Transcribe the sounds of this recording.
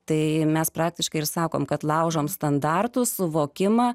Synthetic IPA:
t̪ɐɪmʲɛspɾɑːk̚t̪ʲɪʃkɐɪɪɾsɑːko̰ːmkɐt̪lˠɑʊʒoːmst̪ɐnd̪ɑrt̪ʊssʊʋoːkʲɪmɑː

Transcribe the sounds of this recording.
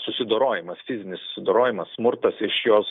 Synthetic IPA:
sʊsʲɪd̪oːɾoːjɪmɐsfʲɪzʲɪnʲɪssʊ̥sʲɪd̪oːɾoːjɪmɐssmʊɾt̪ɐsɪʃjoːs

